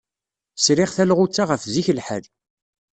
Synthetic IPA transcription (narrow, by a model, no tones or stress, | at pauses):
sɾɪʁθælʁʊt͡sːaʁəfziçəlħə̰l